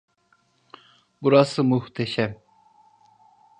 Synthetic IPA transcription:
buɾasɯmuht̪ʰɛʃɛm

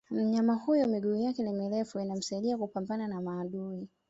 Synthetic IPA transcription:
m̩ɲamahujɔmiɠuːjakɛnimiɾɛfuinam̩saiɗiakupambananamaːɗui

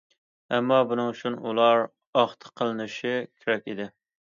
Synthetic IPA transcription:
ɛmːɑbunɨŋut͡ʃʰunṵlˠɑɾ | ɑχt̪ʰə̥qʰəlˠɨnɨʃɪkʲʰeɾɛkʲid̪ɪ

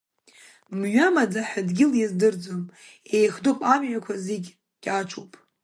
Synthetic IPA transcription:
mɥamad͡zaħadɡʲɪljazdɨrd͡zom | ejχdopʼamʕʷakʷʰaziɡʲ | ɡʲʼat͡ʃʷʰowpʼ

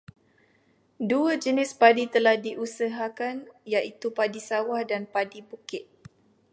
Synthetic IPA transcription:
duəd͡ʒənɪspadit̪əlahdiʔusəɦakanjaʔit̪upadisawahdanpadibukɪt̪̚

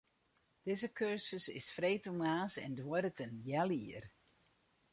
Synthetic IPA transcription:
d̥ɪzəkøɹsəsɪ̰sfreːtəlˠnaːsɛ̰ndwɔɾətənjaliər

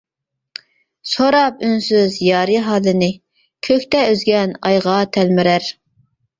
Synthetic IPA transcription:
soɾɑpynsyzjɑːɾɨɦɑːlɨnɪ | kʲʰøkʲt̪ɛøzɡʲɛnɑ̰jʁɑt̪ʰælmɪɾæɾ

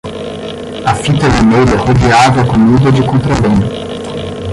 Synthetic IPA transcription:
ɐfit̪ɐvemejlɛhod̪eaveɐkomid̪ɐd͡ʒɪkõnt̪ɾɐbẽnʊ

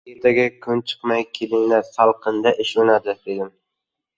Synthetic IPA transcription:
eɾt̪ʰaɡʲɪkʰʊnt͡ʃʰɨ̥qmajkʲʰelɪŋnasalˠqɨnd̪aʔɪʃʊnad̪ɪd̪eɡʲɪn

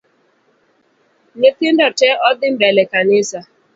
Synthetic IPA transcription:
ɲetɪndɔtɛʔɔdɪm̩bɛlɛkanɪsa

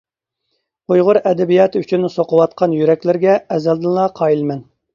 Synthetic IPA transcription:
ojʁʊɾɛd̪ɛbijɑt̪ʰyt͡ʃʰynsoqəwɑt̪̚qʰɑnjyɾɛkʲlɪɾɡʲɛɛzɛld̪ɪnlˠɑqʰɑjilmɛn

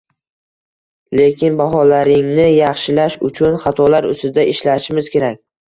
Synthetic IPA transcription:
le̞kʲʰɪnbaɦɒlaɾɪŋnɪjɑχʃɪlaʃʊ̰t͡ʃʰʊnχɑt̪ʰɒlaɾʊ̰st̪ɪd̪aʔɪʃlaʃɪmɪz̥kʲe̞ɾakʲ

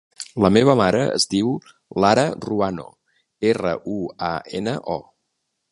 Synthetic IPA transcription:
ləmeβ̞əmaɾəə̰zdiw | laɾəruano̰ | erəʔuaenəʔɔ

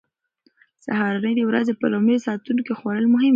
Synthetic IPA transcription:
sahɑɾanəjdewɾazepəlomesɑt̪unkexwaɽəlmʊɦɪm

